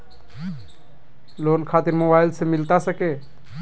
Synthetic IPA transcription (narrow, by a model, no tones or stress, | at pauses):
loːnkʰaːt̪iɾmoːbaɪlsemɪlt̪asəke